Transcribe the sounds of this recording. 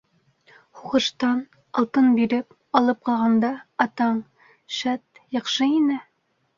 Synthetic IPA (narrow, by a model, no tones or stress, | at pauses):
huʁɤ̆ʃt̪ɑn | ɒlˠt̪ɤnbiɾɘp | ɑlˠɤp̚qɑlˠʁɑnd̪ɑːt̪ɑɴ | ʃæt̪jɑqʃɤinɘ